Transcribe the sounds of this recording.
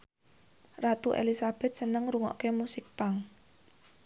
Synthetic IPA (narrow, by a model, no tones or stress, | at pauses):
rat̪uʔḛlisab̥ɛ̤t̪̚sənəŋɾuŋɔ̰ʔkemusɪk̚paŋ